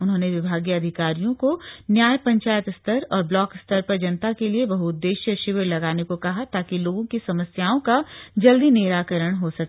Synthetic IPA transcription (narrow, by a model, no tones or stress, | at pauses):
ʊnɦõːneʋɪbʱaːɡjəɐd̪ʱɪkaːɾijõkonjaːjpɐ̃ɲt͡ʃaːjət̪st̪ʰəɾɔːɾblɔːkst̪ʰəɾpɐɾd͡ʒɐnət̪akeliebɐɦʊd̪ːeːʃjəʃɪʋəɾlɐɡaːnekokɐɦat̪aːkiloːɡõkisɐməsjaːõkad͡ʒɐld̪ineːɾaːkəɾəɽ̃ɦosɐkː